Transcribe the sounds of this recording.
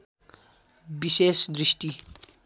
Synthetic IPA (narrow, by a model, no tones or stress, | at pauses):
bisesd̪ɾisʈi